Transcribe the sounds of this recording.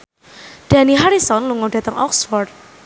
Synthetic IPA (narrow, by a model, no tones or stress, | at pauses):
ɖ̥a̤niɦaɾisɔnluŋɔɖ̥a̤t̪əŋʔɔksfɔrd̚